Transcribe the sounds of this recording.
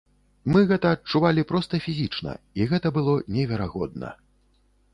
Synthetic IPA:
mɨɣɛt̪ɐːt͡ʂuvalʲipɾɔst̪ɐfʲizʲit͡ʂnɐ̰ | iɣɛt̪ɐbɨlˠɔnʲɛvʲɛɾaɣɔd̪̚nɐ̰

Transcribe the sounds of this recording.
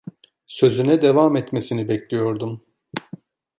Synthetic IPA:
sø̞zynɛd̪evamɛt̪mesinibɛclʲijo̞ɾd̪um

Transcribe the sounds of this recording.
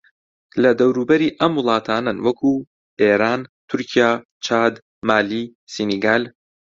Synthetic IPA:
lɐd̪ɐwɾuːbɐɾiːʔɐmwʊlˠɑːt̪ʰaːnɐnwɐkʰuː | ʔeːɾaːnt̪ʰʊɾcʰijaː | t͡ʃʰaːd̪ | maːli | siniɡaːl

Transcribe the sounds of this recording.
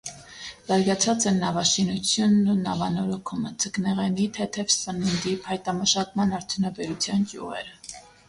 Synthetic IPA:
z̥ɑɾɡɑt͡sʰɑt͡sɛnːɑvɑʃinut͡sʰjunːunɑvɑnɔɾɔkʰuməd͡zʰəknɛʁɛnit̪ʰɛt̪ʰɛvsənənd̪iphɑjt̪ɑməʃɑkmɑnɑɾt̪ʰjunɑbɛɾut͡sʰjɑnkjṵʁɛ̰ɾə

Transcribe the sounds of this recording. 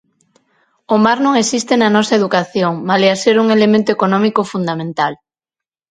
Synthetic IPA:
omaɾnõŋesist̪enanɔsɐeðukaθjoŋmaleaseɾuŋelemẽnt̪oekonɔ̃mikofund̪amẽnt̪al

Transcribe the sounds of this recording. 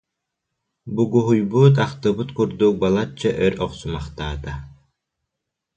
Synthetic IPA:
buɡuɦujbuːt̪̬aχt̪ɯbɯt̪kuɾd̪uk̚balˠat͡ʃːaʔœɾɔqsumaχt̪aːt̪a

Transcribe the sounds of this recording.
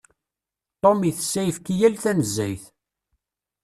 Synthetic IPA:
t̪ˤːomiθəsːæjfkijælθænəzːæjθ

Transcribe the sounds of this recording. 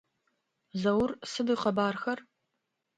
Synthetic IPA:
zɐwrsɨdiːqɐbaːrxɐr

